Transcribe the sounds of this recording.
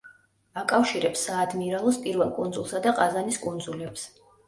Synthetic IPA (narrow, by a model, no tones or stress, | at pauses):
akʼafʃiɾɛpsaːd̪miɾalˠɔspʼiɾvɛlˠkʼund̪zulˠsad̪aqʼazaniskʼund̪zulɛps